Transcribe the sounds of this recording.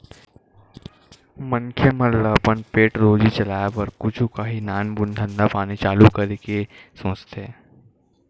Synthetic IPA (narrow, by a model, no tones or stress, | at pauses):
mə̃ŋkʰjemə̃lːəpənpeːʈɾoːd͡ʒit͡ʃɐlaːjapɐɾkʊd͡ʒʰũkaɦinaːnbʊnd̪ʱənd̪apaːnit͡ʃaːlukɐɾekesõːt͡ʃt̪ʰeː